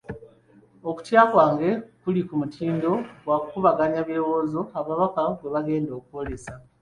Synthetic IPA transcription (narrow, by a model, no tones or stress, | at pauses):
oku̥tjaːkwaːŋɡe̞kulikumutʰiːndo̞ɡwakukuβaɡaɲaβjewo̞ːzo̞aβaβakaɡwe̞βaɡe̞ːndo̞ːkuwo̞le̞sa